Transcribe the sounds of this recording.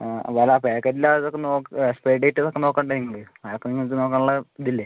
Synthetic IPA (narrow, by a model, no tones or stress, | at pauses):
ʋɐlaːpeːkːɐɾilaɐðokːenoːkspɾeɖejʈːɐðokːeno̞ːkːaːɳɖeniŋːɐɭ | ajokːeniŋːɐt̪ːɨnoːkːaːɳuɭːɐd̪ilːe